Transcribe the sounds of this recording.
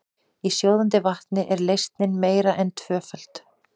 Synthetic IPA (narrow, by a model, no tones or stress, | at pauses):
isjowðant̪ɪvaht̪nɪʔɛɾlejst̪nɪnmeːjɾaʔɛnt̪ʰv̥œːfœl̥t̪